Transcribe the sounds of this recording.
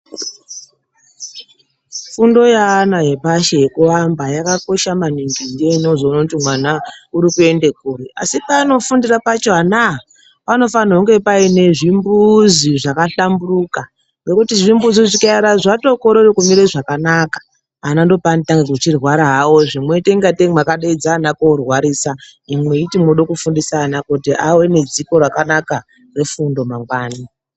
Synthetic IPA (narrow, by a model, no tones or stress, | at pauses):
fundo̞jaːnaje̞paʃeekuʋambajakako̞ʃamaniŋɡineinozounotimwanauɾikue̞nde̞kuria̰sipaːno̞fundirapat͡ʃoɦana | pano̞fanauŋɡe̞paine̞ʐimbuziʐakaɬamburuka | ŋɡe̞kutiʐimbuziʐikaaɾaʐato̞ko̞ɾerekumiɾeʐakanakḁ | anando̞panitaŋɡekut͡ʃirwaɾaɦawo̞ʐimwe̞teŋɡateŋmakaɗaid͡zaːnakoorwaɾiːsaimwe̞itimoɗokufundisaːnakotiawe̞ne̞d͡ziko̞rwakanaka | re̞fundo̞maŋɡwaːni